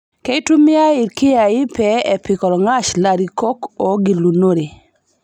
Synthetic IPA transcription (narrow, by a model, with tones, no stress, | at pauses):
ke˦jtu˦mɪ˦a˦ɪ˨ɾkɪ˦a˨ɪ˦pɛ˦ɛ˨pɪ˨kɔ˨lɔ˨ŋa˦ʃla˨ɾi˨ko˦kɔ˨˦ɡi˨lu˨no˦ɾe˨